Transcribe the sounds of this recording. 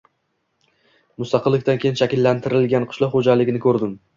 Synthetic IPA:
mʊst̪ɑqʰɨlˠːɪkʲt̪ankʲejɪnʃakʲɪlːant̪ʰɪɾɪlɡʲanqʰʊ̥ʃlˠɒqχod͡ʒalɪɡʲɪnɪkʰɵɾd̪ɪm

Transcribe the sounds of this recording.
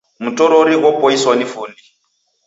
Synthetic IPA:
mutɔɾoɾiɣɔpɔiswanifuːndi

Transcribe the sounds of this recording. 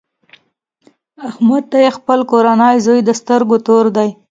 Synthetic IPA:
ahmad̪̚t̪ajexpəlkoɾanɑjzojd̪əst̪əɾɡot̪oɾd̪aj

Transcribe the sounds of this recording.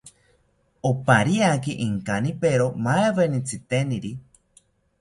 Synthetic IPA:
opaɾiakiʔiŋkanipeɾomaeβenit͡sʰɨt̪eniɾi

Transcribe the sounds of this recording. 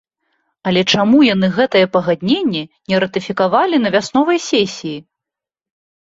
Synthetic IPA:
ɐlʲɛt͡ʂamujanɨɣɛt̪ɐjɛpɐɣad̪ʲnʲenʲːɛnʲɛɾɐt̪ɨfʲikavalʲin̪ɐvʲasnɔvɐjsʲesʲiji

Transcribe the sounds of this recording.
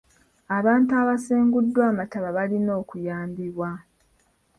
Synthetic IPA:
aβaːntuaβaseːŋɡudːwaːmataβaβalino̞ːkujaːmbiβwa

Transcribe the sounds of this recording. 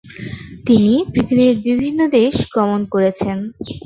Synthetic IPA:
t̪inipɾit̪ʰidiɾbibʱinːod̪eʃɡɔmonkoɾet͡ɕʰen

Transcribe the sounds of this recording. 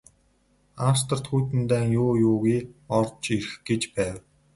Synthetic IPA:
awst̪ə̆r̥t̪xuːt̪ɘ̆nt̪æːŋjʊːjʊːɣiːɔrt͡ɕirxɡ̥et͡ɕpæːw

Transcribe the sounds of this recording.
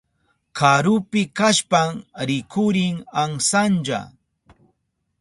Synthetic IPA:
kʰaɾʊpɪkaʃpaŋɾɪkʰʊɾɪŋaŋsand͡ʒa̰

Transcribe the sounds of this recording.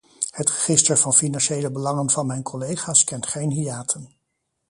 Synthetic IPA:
hətrəχɪstəɹvɑnfinɑnʃejləbəlɑŋənvɑnmɛjnkʰɔlejχaːskɛntχejnɦiaːtʰən

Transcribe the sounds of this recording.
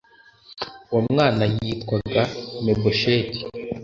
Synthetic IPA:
wamŋaːnajitkwaɡameboʃeti̥

